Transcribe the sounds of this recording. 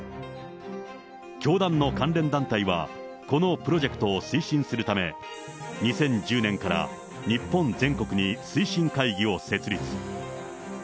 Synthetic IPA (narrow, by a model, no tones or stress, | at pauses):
kʲo̞ːd̪ãnːo̞kãnɾẽ̞nd̪ãnt̪aiβa̰ | ko̞no̞pɯ̟ɾo̞ʑe̞kɯ̥t̪o̞ːsɨiɕĩɰ̃sɨɾɯ̟t̪ame̞ | ɲ̟isẽ̞ɲ̟d͡ʑɨːnẽ̞ŋkaɾa̰ | ɲ̟ipːõ̞nd͡zẽ̞ŋko̞kɯ̟ɲ̟isɨiɕĩŋkaiɡʲio̞se̞t͡sɨɾʲit͡sɨ̥